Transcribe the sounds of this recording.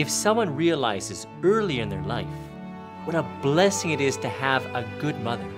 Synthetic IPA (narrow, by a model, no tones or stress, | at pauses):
ɨfsʌ̃mwʌ̃nɹiɨla̰ɪzɨz | ɜ˞lˠiɨ̃nðə̰˞la̰ɪf | wʌɾəblɛsɪ̃ŋɨɾɪz̥tʰɨəvəɡʊd̚mʌðə˞